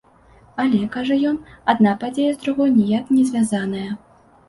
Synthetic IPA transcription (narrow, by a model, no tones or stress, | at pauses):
alʲɛkaʐɐjɔnad̪̚napad͡zʲejɐzd̪ɾuɣɔjnʲɛjaknʲɛzʲvʲazanɐjɐ